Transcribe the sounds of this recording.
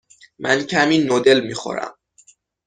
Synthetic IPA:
mʔæncʰæmiːnod̪e̞lmiːxo̰ɾæ̰m

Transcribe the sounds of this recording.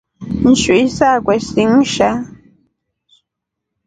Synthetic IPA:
n̩ʃuisakʷesiŋʃa

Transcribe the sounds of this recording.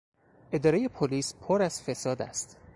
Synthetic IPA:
ʔe̞d̪ɒːɾejepʰoliːspʰoɾæz̥fe̞sɒːd̪æ̰st̪

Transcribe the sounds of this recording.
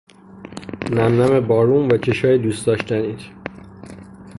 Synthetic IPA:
næmnæmebɒːɾuːnvæt͡ʃʰeʃɒːjed̪uːsd̪ɒːʃt̪ʰæniːt̪ʰ

